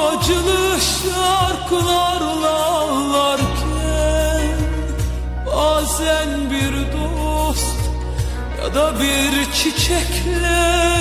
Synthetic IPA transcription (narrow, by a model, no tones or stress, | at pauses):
ɑd͡ʒɯlˠɯʃlɑɾkʰɯlˠɑɾlˠɑlˠɑɾkʲʰ | ænn | aːzænbiɾd̪o | st̪ | jɑ̰d̪ɑbiɾt͡ʃʰit͡ʃʰɛkʲʰlɛ